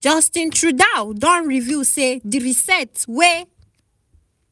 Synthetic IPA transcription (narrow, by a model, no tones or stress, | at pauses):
d͡ʒʌ̃stĩntʰɹudawdɔ̃nɹivjused̪iɹisɛtwe